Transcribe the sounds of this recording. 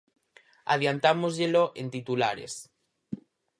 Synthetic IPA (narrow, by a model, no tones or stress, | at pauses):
a̰ðjant̪amozʎeloʔent̪it̪ula̰ɾḛs